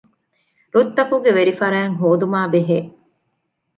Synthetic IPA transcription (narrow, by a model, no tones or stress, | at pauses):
ɾut̪ːɐkuɡeʋeɾifɐɾæːŋɦoːd̪umaːbeɦeː